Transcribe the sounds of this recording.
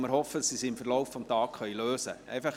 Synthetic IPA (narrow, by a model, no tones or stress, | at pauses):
mɪɾhɔfədɑsisiɪmfərlɔwffɔmtɑːkχœɥiløːsə̰ʔɛ̰jfɑχ